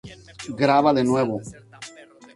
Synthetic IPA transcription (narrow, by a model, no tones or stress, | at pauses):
ɡɾaβaðenweβo